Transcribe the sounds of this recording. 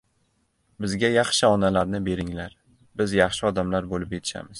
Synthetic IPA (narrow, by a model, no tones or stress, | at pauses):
bɪzɡʲajɑχʃɪɒnalaɾnɪbe̞ɾɪŋlaɾ | bɪzjɑχʃɪɒd̪amlaɾbolɪpje̞t̪ʰɪ̥ʃa̰mɪz̥